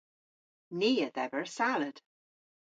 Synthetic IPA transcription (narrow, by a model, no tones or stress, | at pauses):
niːəðɛvəɹsaləd̥